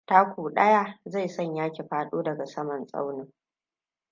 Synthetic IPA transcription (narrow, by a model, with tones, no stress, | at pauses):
ta˦kʷuː˨ɗɐ˦ja˦˨za˦˨jsɔ˦˨ɲjaː˦kʲe˨ɸaː˦ɗoː˦dɐ˨ɡa˨sɐ˦mɐ˨nsʼa̰˦wnɪ˦ŋ